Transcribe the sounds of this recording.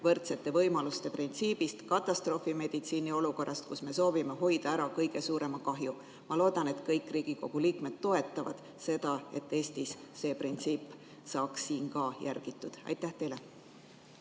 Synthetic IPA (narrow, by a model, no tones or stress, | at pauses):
vɤ̞rt̪se̞t̪ːˑe̞vɤjmɑlust̪e̞print̪siːb̥ist̪kɑt̪ːˑɑst̪ro̞ːfime̞d̪̥it̪siːnio̞luko̞rʔɑst̪̚kusme̞so̞ːvime̞ɦo̞jd̪̥ɑæɾɑkɤjɡ̥e̞suːɾe̞mɑkɑɦju | mɑlo̞ːd̪̥ɑne̞t̪kɤjkːˑriːɡ̥iko̞ɡ̥uliːkme̞d̪̥t̪o̞e̞t̪ːˑɑvɑ̰d̪̥ | se̞d̪̥ɑe̞t̪ːˑe̞ːst̪isːe̞print̪siːp | sɑːksːiːnkɑjærɡ̥it̪ːˑud̪̥ɑ̰jt̪ˑːæht̪e̞jle̞